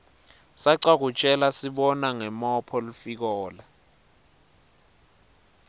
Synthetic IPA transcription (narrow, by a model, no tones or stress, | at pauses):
saǀak̬ut͡ʃʼɛlasiɓɔnaŋɛmɔpʰɔlufik̬ɔːla